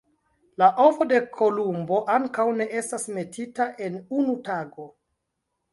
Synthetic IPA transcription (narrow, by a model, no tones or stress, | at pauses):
laʔofo̞de̞kʰo̞lumbo̞ʔaŋkawne̞ʔe̞stasme̞tʰitaʔe̞nunutaɡo̞